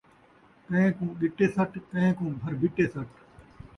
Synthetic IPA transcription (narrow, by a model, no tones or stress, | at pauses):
kɐ̃ẽːkũːɗɪʈeːsəʈkə̃ẽːkũːbʱəɾbɪʈeːsəʈ